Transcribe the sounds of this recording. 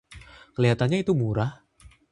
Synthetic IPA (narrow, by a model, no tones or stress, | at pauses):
kleat̪aɲajt̪umuɾa